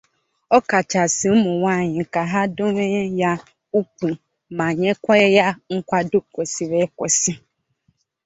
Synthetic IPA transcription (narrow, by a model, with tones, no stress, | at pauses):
ɔ˦ka˨t͡ʃa˨sɪ˨m̩˦mʊ˨wa˦˨ɲɪ˨ka˨ɦa˦dʊ˦ɾe˦ja˦ | u˦ku˨ | ma˨ɲe˦kʷa˦ja˦ŋ̩˦kʷa˦dʊ˦ko˨si˨ɾe˦kɔ˨si˦